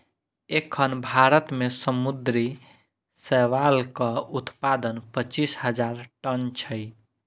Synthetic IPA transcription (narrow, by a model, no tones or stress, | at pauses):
ekʰːənbʱaɾət̪mesəmud̪ɾi | sɛʋalkəut̪pad̪ənpət͡ʃisɦəd͡ʒaɾʈənt͡ʃʰəj